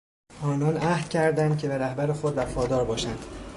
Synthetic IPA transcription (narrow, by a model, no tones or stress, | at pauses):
ʔɒːnɒːnʔæhd̪̥cʲʰæɾd̪ænd̪̚cʰe̞beɾæhbæɾexod̪væfɒːd̪ɒːɾbɒːʃænd̪̥